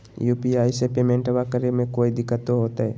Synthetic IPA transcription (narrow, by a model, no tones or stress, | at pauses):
juːpiaːɪsepeːmẽɳʈʋaːkəɾemẽkoːid̪ɪkːət̪oɦoːt̪aɦɛː